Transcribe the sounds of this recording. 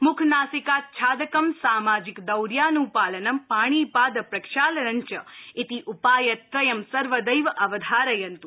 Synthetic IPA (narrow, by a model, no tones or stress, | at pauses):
mʊkʰnaːsikaːt̪̚t͡ʃʰaːd̪ɐkɐmsaːmaːd͡ʒikd̪ɐwɾjanũpaːlənɐmpaːɽ̃ipaːd̪pɾɐkʃaːlɾɐɲt͡ʃəit̪iʔupaːjɐt̪ɾɐjɐmsɐɾʋəd̪ɐjʋʔɐʋɐd̪ʱaːɾɐjɐnt̪u